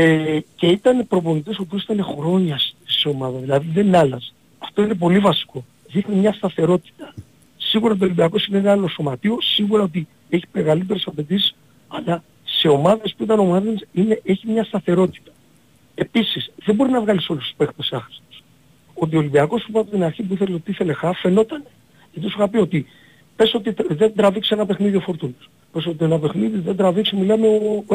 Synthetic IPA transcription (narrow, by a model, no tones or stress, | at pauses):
ece̞it̪ɐne̞pɾo̞po̞nit̪isopt̪̬iosi̥t̪ɐne̞xɾo̞ɲɐsseo̞mɐðɐðilɐðiðe̞nɐlɐz | ɐft̪o̞ine̞p̬o̞livɐsi̥ko̞ | ðixnimɲɐst̪ɐθe̞ɾo̞t̪i̥t̪ɐ | siɣuɾɐt̪olimbiɐko̞sineenɐlo̞so̞mɐt̪io̞siɣuɾɐot̪̬i | e̞çi̥meɣalit̪̬e̞ɾesɐpe̞t̪̬isi̥s | ɐlɐ | se̞o̞mɐðe̞spuit̪ɐno̞mɐðensine̞ʔe̞çimɲɐst̪ɐθe̞ɾo̞t̪i̥t̪ɐ̥ | e̞pisisðebo̞ɾinɐvɣɐliso̞lust̪u̥spe̞xt̪esɐxɾi̥st̪o̥s | o̞t̪iolimbiɐko̞supɐpot̪inɐɾçipuiθe̞leot̪iiθe̞le̞xɐfe̞no̞t̪ɐne | et̪osuxɐpio̞t̪i | pesot̪iðend̪ɾɐviksienɐpe̞xniðio̞fo̞ɾt̪unos | pe̞so̞t̪ienɐpe̞xniðiðend̪ɾɐviksimilɐmeo